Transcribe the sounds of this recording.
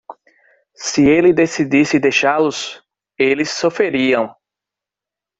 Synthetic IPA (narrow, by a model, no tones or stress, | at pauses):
sɪelɪd̪esid̪isɪd̪ejʃalʊs | elɪsːofeɾiɐ̃w̃